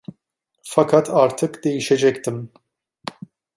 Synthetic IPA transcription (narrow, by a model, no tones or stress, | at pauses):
fakʰat̪ʰaːɾt̪ʰɨkd̪ejiʃɛd͡ʒɛkt̪ɨm